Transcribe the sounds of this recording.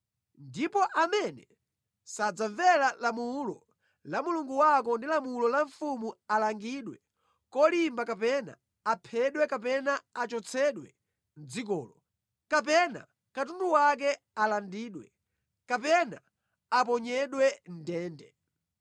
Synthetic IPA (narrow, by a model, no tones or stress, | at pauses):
ndipɔʔamɛnɛ | sad͡zaɱvɛlalamulɔ̰ | lamuluŋɡuwak̬ɔndilamulɔlaɱfumualaŋɡiɗwɛ | kɔlimbakapɛna̰ | apʰɛɗwɛkap̬ɛnaat͡ʃɔt͡sʰɛɗwɛ̰ | n̩d͡zikɔ̰ːlɔ | kapɛna̰ | katunduwak̬ɛ | alandiːɗwɛ | kapɛna | ap̬ɔɲɛɗwɛn̩dɛːndɛ